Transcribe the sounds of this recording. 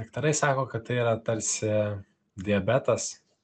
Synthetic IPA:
ɐkt̪ɐɾɐɪsɑːkoːkɐt̪t̪ːɐɪiːɾɐt̪ɐɾʲsʲɪ | d̪ʲɪɛbʲɛt̪ɐs

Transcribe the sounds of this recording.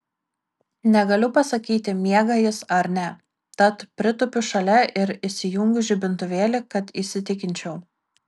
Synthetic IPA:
nʲɛɡɐlʲʊpɐsɐkʲiːt̪ʲɪmʲiɛɡɐjɪsɐɾnʲɛ | t̪ɐt̪pʲɾʲɪt̪ʊpʲʊʃɐlʲɛʔɪɾɪʃʲsʲɪjʊŋɡʊʒʲɪbʲɪnt̪ʊʋʲeːlʲɪkɐt̪isʲɪt̪ʲɪkʲɪnʲt͡ʃʲɛʊ

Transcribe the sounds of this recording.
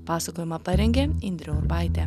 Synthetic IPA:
pɑːsɐkoːjɪmɐpɐɾʲɛŋʲɡʲeːɪnʲd̪ʲɾʲoʊɾbɑˑɪt̪ʲeː

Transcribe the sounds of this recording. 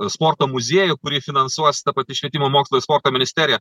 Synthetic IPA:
spoːrt̪oːmʊzʲiɛjʊkʊɾʲiːfʲɪnɐnsuɔsʲt̪ɐpɐt̪ʲɪʃʲʋʲiɛt̪ʲɪmoːmoːkslˠoːjspoːrt̪oːmʲɪnʲɪsʲt̪ʲæːɾʲɪjɛ

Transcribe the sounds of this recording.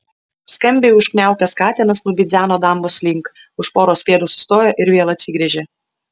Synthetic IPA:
skɐmʲbʲɛɪʊʃknʲæˑʊkʲɛskɑːt̪ʲɛnɐsnuːbʲɪd̪zʲæːnoːd̪ɐˑmboːslʲɪŋk | ʊʃpoːɾoːsʲʋʲeːd̪uːsʊ̥st̪oːjoːʔɪɾʋʲeɛlˠɐt̪ʲsʲɪɡɾʲɛʒʲeː

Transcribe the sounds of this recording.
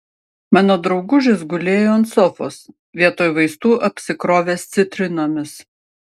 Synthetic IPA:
mɑːnoːd̪ɾɒʊɡʊʒʲɪsɡʊlʲeːjoːɐnt̪sɔfo̰ːs | ʋʲiɛt̪oːjʋɐɪst̪uːʔɐpʲsʲɪkɾoːʋʲeːst̪sʲɪt̪ʲɾʲɪnoːmʲɪs

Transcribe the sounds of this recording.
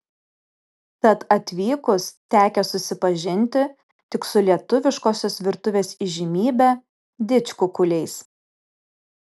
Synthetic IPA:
t̪ɐt̪ɐt̪ʲʋʲiːkʊst̪ʲæːkʲɛsʊsʲɪpɐʒʲɪnʲt̪ʲɪ | t̪ʲɪksʊlʲiɛt̪ʊʋʲɪʃkoːsʲoːsʋʲɪɾt̪ʊʋʲeːsiʒʲɪmʲiːbʲɛ | d̪ʲɪt͡ʃʲkʊkʊlʲɛɪs

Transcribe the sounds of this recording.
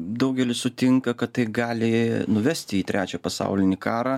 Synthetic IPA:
d̪ɐʊɡʲɛlʲɪsʊt̪ʲɪŋkɐkɐt̪t̪ɐɪɡɑːlʲɪnʊʋʲɛsʲt̪ʲɪiːt̪ʲɾʲæːt͡ʃʲæpɐsɑ̰ʊlʲɪnʲɪkɑːɾɑ

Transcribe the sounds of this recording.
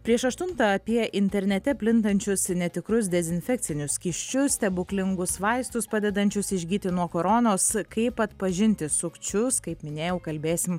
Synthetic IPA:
pʲɾʲiɛʃɐʃt̪ʊnt̪ɐɐpʲiɛʔɪnʲt̪ʲɛɾʲnʲɛt̪ʲɛpʲlʲɪnt̪ɐnʲt͡ʃʲʊsnʲɛt̪ʲɪkɾʊs̬d̪ʲɛzʲɪnʲfʲɛk̚t̪sʲɪnʲʊskʲɪʃʲt͡ʃʲʊst̪ʲɛbʊklʲɪŋɡʊsʋɐɪst̪ʊspɑːd̪ʲɛd̪ɐnʲt͡ʃʲʊsɪʒʲɡʲiːt̪ʲɪnuɔkoːɾoːnoːskɐɪpɐt̪pɐʒʲɪnʲt̪ʲɪsʊkt͡ʃʲʊskɐɪpmʲɪnʲeːjɛʊkɐlʲbʲeːsʲɪm

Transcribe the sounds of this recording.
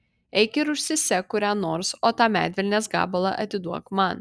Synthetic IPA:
ɛɪkʲɪɾʊʃʲsʲɪsʲɛkʊɾʲæːnoːɾsoːt̪ɑːmʲæ̰ːd̪ʲʋʲɛlʲnʲeːsɡɑ̰ːbɐlˠɑʔɐ̰t̪ʲɪd̪uɔkmɑn

